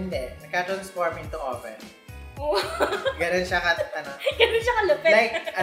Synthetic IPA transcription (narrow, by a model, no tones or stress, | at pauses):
ɪnd̪ɛnɐɡ̚kat̪ɾɐnsfoɹmɪ̃nt̪ʊʔo̰fɛ̰n | oɡɐnonʃɐkɐɐnoɡɐnonʃɐkɐlʊpɛlajkʔɐ